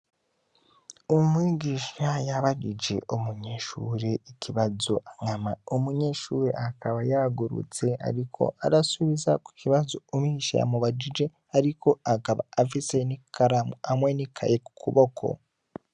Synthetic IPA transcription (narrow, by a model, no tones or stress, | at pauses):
omwiːɟiːʃajaβaɟid͡ʒe̞ʔomuɲe̞ːʃuːɾe̞icʰiβazo̞ʔaŋamaomuɲe̞ːʃuːɾḛʔakaβajaɡuɾṵt͡se̞a̰ɾikʰo̞̰aɾasuβizaku̥ciβazo̞omiʃa̰ja̰muβad͡ʒid͡ʒe̞ | aɾiko̞akaβa̰ːfise̞nikaɾamamwe̞nikʰa̰jeku̥kʰuβo̞kʰo̞̰